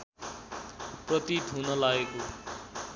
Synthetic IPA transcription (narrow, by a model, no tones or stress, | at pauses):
prʌt̪it̪ɦunʌlaɡeko